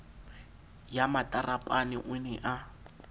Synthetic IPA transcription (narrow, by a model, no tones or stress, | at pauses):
jamatʼarapʼanɪʔʊnɛʔa